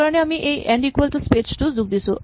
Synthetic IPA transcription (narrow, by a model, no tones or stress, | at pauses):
aɾɳeamiʔejʔɛɳɖikʋəlʈuspet͡ɕʈud͡zuɡ̚d̪isu